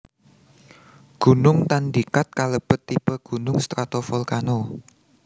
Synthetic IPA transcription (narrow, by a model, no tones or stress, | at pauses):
ɡ̥ṳnʊŋt̪and̪ikat̪̚kaləb̥ə̤t̪ːipəɡ̥ṳnʊŋst̪ɾat̪ofɔlkano